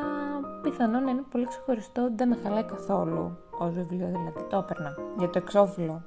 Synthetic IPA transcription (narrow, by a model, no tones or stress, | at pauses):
piθɐno̞nɐinepo̞likse̞xo̞ɾist̪o̞iðenexɐlɐikɐθo̞lṵozvivlioðilɐðit̪opeɾnɐʝɐt̪oekso̞filo̞